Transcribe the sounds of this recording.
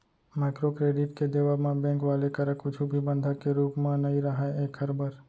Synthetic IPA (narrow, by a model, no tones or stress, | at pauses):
maːɪkɾokɾeːɖɪʈked̪eʋamãbɛ̃ːŋkʋaːlekəɾãkʊd͡ʒʰubʱibə̃nd̪ʱakeɾuːpmãnɐɦĩɾɐɦaeeːkəɾbəɾ